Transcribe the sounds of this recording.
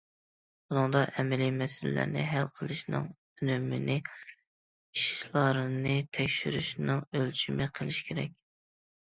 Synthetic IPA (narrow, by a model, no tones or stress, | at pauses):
b̥unɨŋd̪ɑʔɛmɛlimɛsɪllæ̰ɾnɪ̰ɦælqʰəlˠɨʃnɨ̰ŋ | ynømɪ̰nɪ | iʃlˠɑɾɨnɨt̪ʰɛkʲʃyɾyʃnɨŋølt͡ʃʰymɨqʰəlˠɪʃkʲʰeɾɛ̰k̚ʲ